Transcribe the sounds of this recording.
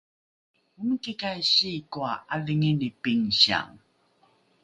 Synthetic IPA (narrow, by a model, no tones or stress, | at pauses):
umkikajɕikuaaliŋinipiŋɕa̰ŋ